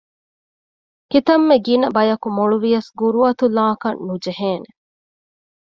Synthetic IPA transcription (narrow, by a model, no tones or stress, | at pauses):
kit̪ɐmːeɡinɐbɐjɐkumoɭuʋijɐsɡuɾuɐt̪ulaːkɐnːud͡ʒeɦeːne